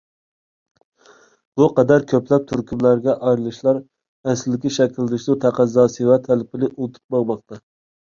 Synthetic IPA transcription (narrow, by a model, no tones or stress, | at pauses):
b̥uqɛd̪æɾkʲʰøplɛp̚t̪ʰyɾkʲʰimlæɾɡʲɛʔɑjɾɨlˠɨʃlˠɑɾ | æsɪdɪkʲiʃɛkʲʰild̪ɪʃlut̪ʰæqʰæzːɑːsɨvɛt̪ʰælɪpʰɪlɪʔulˠt̪ʰu̥p̚bɑʁmɑq̚t̪ʰɑ